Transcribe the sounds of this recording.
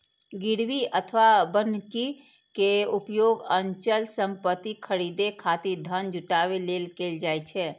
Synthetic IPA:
ɡɪɾʋiət̪ʰʋabənki | keʊpjoːɡə̃ɲt͡ʃəlsə̃mpət̪ikʰəɾiːd̪ekʰaːt̪id̪ʱənd͡ʒʱʊʈaːweleːlkeːld͡ʒaːet͡ʃʰɛː

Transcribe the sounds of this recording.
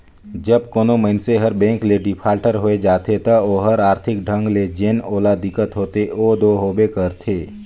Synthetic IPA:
d͡ʒəb̚koːnoməɦɪnseɦəɾbɛ̃ːŋkleɖɪpʰaːlʈəɾɦoed͡ʒaːt̪ʰet̪ɐoɦəɾaːɾt̪ʰɪk̚ɖʱə̃ŋɡled͡ʒenoːlad̪ɪkːət̪ɦoːt̪eoːd̪oɦoːbekəɾt̪ʰeː

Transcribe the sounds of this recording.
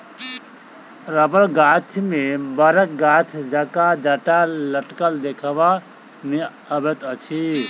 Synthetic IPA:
ɾəbəɾɡat͡ʃʰmebəɾək̚ɡat̪ʰd͡ʒakad͡ʒəʈaləʈkəld̪ekʰəba | me | əbet̪ət͡ʃʰi

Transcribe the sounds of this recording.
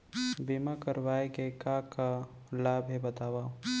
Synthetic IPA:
bimakəɾʋaːekekaka | laːbʱɦebət̪aːwaː

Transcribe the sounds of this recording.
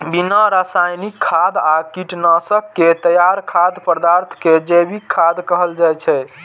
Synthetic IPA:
binəɾasajnikʰːad̪akiʈnasəkːet̪əjaɾkʰad̪pəd̪aɾt̪ʰked͡ʒebikʰːad̪kəɦəld͡ʒajt͡ʃʰɛ

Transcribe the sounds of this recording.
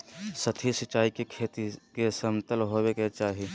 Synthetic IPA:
sət̪ʰisɪt͡ʃaːikekʰeːt̪ikesɐmt̪əlɦoːweket͡ʃaːɦi

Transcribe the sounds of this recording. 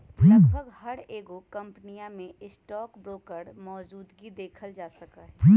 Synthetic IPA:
plɐəɡɦɐɾeːɡokɐ̃mpnijãmẽɪsʈɔːkbɾoːkəɾmɔːd͡ʒuːd̪ɡid̪eːkʰəld͡ʒaːsɐkaɦɛp

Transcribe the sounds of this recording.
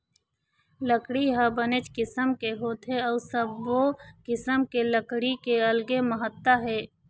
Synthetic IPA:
ləkɽiɦəbənet͡ʃkɪsəmkeɦoːt̪ɦɛɔːsəbːokɪsəmkeləkɽikeəlɡeməɦət̪ːəɦɛː

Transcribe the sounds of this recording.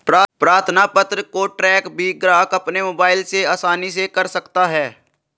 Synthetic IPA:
pɾaːpɾaːɾt̪ʰnapət̪ɾəkoʈɾɛːkbʱiɡɾaːkəpnemoːbaːɪlseaːsaːnisekɐɾsəkt̪aɦɛː

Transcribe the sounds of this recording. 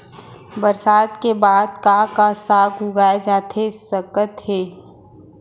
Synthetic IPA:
bəɾsaːd̪kebaːd̪kakasaːɡɦʊɡaːed͡ʒaːt̪ʰesəkət̪ɦeː

